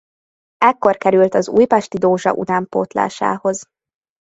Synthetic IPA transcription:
ɛkːo̞rkɛɾylt̪ɒzṵːjpɛʃt̪id̪oːʒɒ̰ʔṵt̪aːmpo̰ːt̪la̰ːʃa̰ːho̞z

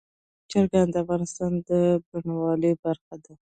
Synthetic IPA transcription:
t͡ʃaɾɡand̪əafɣɑnɪst̪ɑnd̪əbaɳawɑləbaɾxad̪a

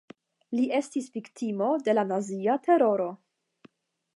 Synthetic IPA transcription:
liʔe̞stisviktʰimo̞de̞lanaziatʰe̞ɾo̞ɾo̞

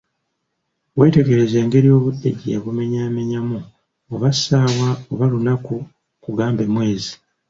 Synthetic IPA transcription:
we̞ːte̞ɡe̞ɾe̞zeːŋɡe̞ɾijo̞ːβudːeɟijaβume̞ɲaːme̞ɲamu | oβasaːwaoβalunaku | kuɡaːmbe̞mwe̞ːzi

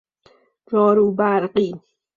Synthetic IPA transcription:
ɾɔːɾuːbaɾqi

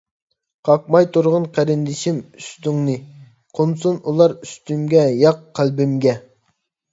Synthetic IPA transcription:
qʰɑq̚mɑjt̪ʰuɾʁʊnqʰæɾɪnd̪ɪʃimyst̪yŋnɨ | qʰons̬unulˠɑɾyst̪ymɡʲɛjɑqʰːælbɪmɡʲɛ

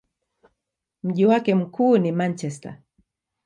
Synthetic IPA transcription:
m̩ʄiwakɛm̩kuːnimant͡ʃɛsta̰

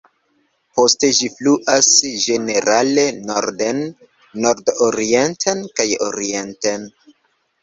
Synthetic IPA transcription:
po̞ste̞d͡ʒifluʔasʒe̞ne̞ɾale̞noɾdenː | o̞ɾdoɾie̞ntʰenkajo̰ɾie̞nten

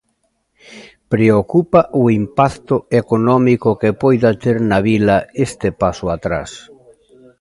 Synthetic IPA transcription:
pɾeokupaʔʊimpakt̪ʊekonɔmikokepojðat̪eɾnaβilɐest̪epasʊat̪ɾa̰s

